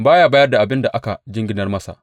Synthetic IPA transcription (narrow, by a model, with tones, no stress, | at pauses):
baː˦jaː˦baː˦jɐ˦rda˨ʔa˨bɪ˦nda˨ʔa˦ka̰˨d͡ʒɪ˦ŋɡʲɪ˦nɐ˦rmɐ˦sa̰˨ʔ